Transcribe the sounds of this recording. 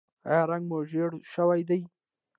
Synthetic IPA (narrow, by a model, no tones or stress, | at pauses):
a̰ɾaŋɡmoʒeɽʃəwajd̪aj